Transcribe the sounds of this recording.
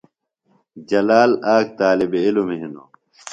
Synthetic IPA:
d͡ʑɐlaːlaːk̚t̪aːlibeilumeɦino̰ː

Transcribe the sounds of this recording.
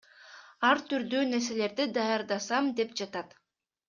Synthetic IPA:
ɑɾt̪yɾd̪øːne̞ɾs̬e̞le̞ɾd̪id̪ɑjɑɾd̪ɑsɑmd̪e̞pd͡ʒɑt̪ɑt̪

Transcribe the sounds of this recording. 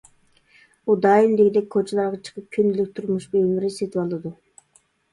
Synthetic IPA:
bud̪ɑːjimd̪eɡʲid̪ɛkʲkʰot͡ʃʰelˠɑɾʁɑt͡ʃʰə̥qʰəp̚kʲʰynd̪ylykʲt̪ʰuɾmuʃbølmiɾɪset̪ʰɪpɑlˠɨd̪u

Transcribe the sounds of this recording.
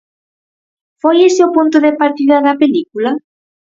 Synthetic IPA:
fɔjeseopunt̪oðepaɾt̪iðaðapelikula

